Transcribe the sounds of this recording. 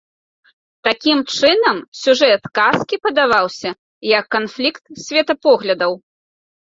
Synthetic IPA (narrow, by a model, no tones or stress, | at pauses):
t̪akʲimt͡ʂɨnɐmsʲuʐɛt̪kaskʲipɐd̪avawsʲɐ | jɐkːanflʲikt̪sʲvʲɛt̪ɐpɔɣlʲɐd̪ɐw